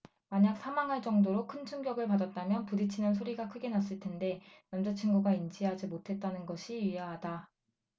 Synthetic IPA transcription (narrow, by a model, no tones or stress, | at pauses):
maɲak̚sʰamaŋɦaɭt͡ɕ͈ʌŋdoɾokʰɯnt͡ɕʰumɡjʌɡɯɭpadat̚t͈amjʌnpuɾit͡ɕʰinɯnsʰoɾiɡakʰɯɡe̞nas͈ɯɭtʰe̞nde̞nʌmd͡ʑat͡ɕʰinɡuɡaind͡ʑiɦad͡ʑimotʰe̞t̚t͈anɯnɡʌɕʰiiaɦada